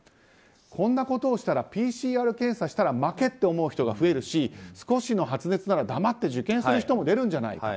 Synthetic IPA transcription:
kʰõ̞nːako̞t̪o̞ːɕi̥t̪aɾapʲiːɕiːaːɾɯ̟kẽ̞ɰ̃saɕi̥t̪aɾamake̞t̪ːe̞omo̞ɯ̟çi̥t̪oɡaɸɯ̟e̞ɾɯ̟ɕisɨ̥ko̞ɕino̞ɦat͡sɨne̞t͡sɨnaɾad̪amat̪ːe̞ʑɨkẽ̞ɰ̃sɨɾɯ̟çi̥t̪o̞mo̞d̪e̞ɾɯ̟̃ɲ̟d͡ʑana̰ḭ

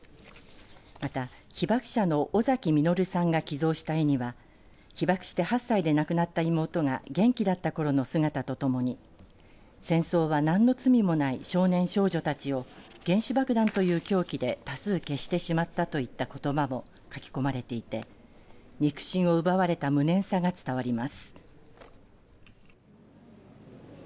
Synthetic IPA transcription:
mat̪a | çibakɯ̟̥ɕano̞ʔːzakʲimʲino̞ɾɯ̟sãŋɡakʲizo̞ːɕi̥t̪ajiɲ̟iβa | çibakɯ̟̥ɕi̥t̪e̞hasːaid̪e̞nakɯ̟nat̪ːaimo̞ːt̪o̞ŋa̰ɡẽ̞ŋkʲid̪at̪ːako̞ɾo̞no̞sɨɡat̪at̪o̞t̪o̞mo̞ɲ̟i | sẽ̞ɰ̃so̞ːβanãnːo̞t͡sɨmʲimo̞naiɕo̞ːnẽ̞ɰ̃ɕo̞ːʑo̞t̪at͡ɕio̞ɡ̥ẽ̞ɰ̃ɕibakɯ̟d̪ãnt̪o̞jɯ̟ːkʲo̞ːkʲid̪e̞t̪asɨːke̞ɕi̥t̪e̞ɕimat̪ːat̪o̞it̪ːako̞t̪o̞bamo̞ | kakʲi̥ko̞maɾe̞t̪e̞it̪e̞ | ɲ̟ikɯ̟̥ɕĩɰ̃o̞ɯ̟baβaɾe̞t̪amɯ̟nẽ̞ɰ̃saɡat͡sɨ̥t̪aβaɾʲimasɨ̥

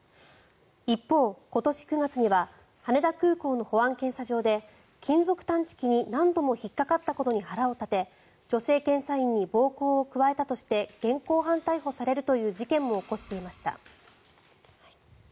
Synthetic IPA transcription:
ipːo̞ːko̞t̪o̞ɕi̥kɯ̟ŋat͡sɨɲ̟iβa | hane̞d̪akɯ̟ːko̞ːno̞ho̞βãŋkẽ̞ɰsaʑo̞ːd̪e̞ | kʲĩnzo̞kɯ̟̥t̪ãɲ̟t͡ɕi̥kʲiɲ̟inãnd̪o̞mo̞çikːakat̪ːako̞t̪o̞ɲ̟ihaɾao̞t̪at̪e̞ | d͡ʑo̞se̞ːkẽ̞ɰ̃saĩɲ̟ːibo̞ːkoːokɯ̟βae̞t̪at̪o̞ɕi̥t̪e̞ɡ̥ẽ̞ŋko̞ːɦãnt̪aiɦo̞saɾe̞ɾɯ̟t̪o̞jɯ̟ːʑikẽ̞mːo̞ːko̞ɕi̥t̪e̞imaɕi̥t̪a̰

